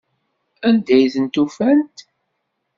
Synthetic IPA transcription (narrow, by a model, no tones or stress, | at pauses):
ænd̪æjθənt̪ufænt̪